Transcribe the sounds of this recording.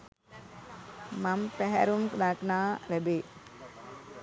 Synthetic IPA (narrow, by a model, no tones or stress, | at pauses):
mampæɦæ̰ɾumkd̪aknaːɾɛbe